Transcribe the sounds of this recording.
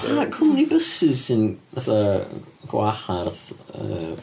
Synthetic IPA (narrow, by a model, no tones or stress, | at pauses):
amakʰɔmnibəsɨz̥sɪnaθaɡ̥waharðə̰